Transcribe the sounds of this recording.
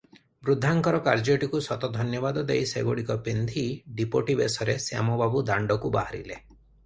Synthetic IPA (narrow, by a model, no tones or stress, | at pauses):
bɾud̪ʱːaŋkɔɾɔkaɾd͡ʒoʈikusɔt̪ɔd̪ʱɔnjɔbad̪ɔd̪ejseɡoɽikɔpend̪ʱiɖipoʈibesɔɾesja̰mɔbabud̪aɳɖɔkuba̰ɦaɾḭle